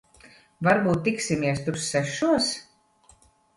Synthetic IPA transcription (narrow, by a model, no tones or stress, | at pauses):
vaɾbuːt̪ːiksʲimʲiɛst̪uɾsːɛʃuɔs